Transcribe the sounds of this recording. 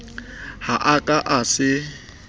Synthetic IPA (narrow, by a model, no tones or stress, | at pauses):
haʔakʼaʔasɪ